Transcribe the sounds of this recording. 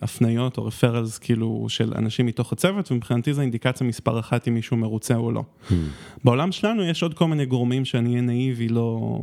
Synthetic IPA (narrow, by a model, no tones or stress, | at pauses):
afnajo̞to̞ʁefeʁalzkʰiilṵʃḛla̰naʃimːito̞χat͡sevetvemipχinatizeind̪ikat͡sjamispa̰ʁaχatimːiʃume̞ʁut͡seo̰lo̞̰ | beo̞lamʃelanujeʃo̞d̚ko̞lmineɡoʁmimʃeaniɛnaivilo̞